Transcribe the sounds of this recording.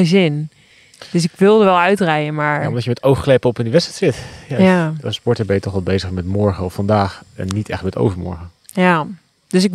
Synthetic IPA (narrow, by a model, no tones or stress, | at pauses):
əzɪn | d̥øsɪkʋɪlˠdəʋɛlˠœɥtrɛjənmaɹaɔntɑjəmɛtowxklɛpəɔpɪndəʋɛtstɛtsɪtjaspɔɹtəbɛjətɔχʋɛlˠbejzəχmɛtmɔɹχəɔffɑndaːχɛ̰nːitɛ̰χmɛto̰wvəɹmɔ̰ɹχə | ja | døsɪk